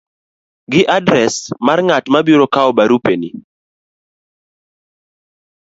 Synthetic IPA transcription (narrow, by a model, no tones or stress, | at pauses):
ɡɪʔadɾɛsmarŋatmabiɾokaɔbaɾupeni